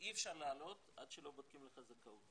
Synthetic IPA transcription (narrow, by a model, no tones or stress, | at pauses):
ʔiefʃaʁleːlo̞t̪adʃelo̞bod̪̚kimleχazakaut